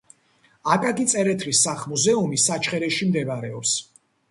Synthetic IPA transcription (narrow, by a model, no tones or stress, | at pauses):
akʼaɡit̪sʼɛɾɛt̪ʰɾisːaχmuzɛumisːat͡ʃʰχɛɾɛʃimd̪ɛvaɾɛɔps